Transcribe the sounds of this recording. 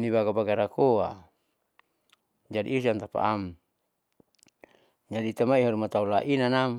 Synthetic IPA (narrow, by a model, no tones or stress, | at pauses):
nibaɡabaɡaɾakoa | d͡ʒadḭːs̬ant̪apa̰ʔam | d͡ʒadiːt̪amaiɦaɾumat̪aulaʔinanam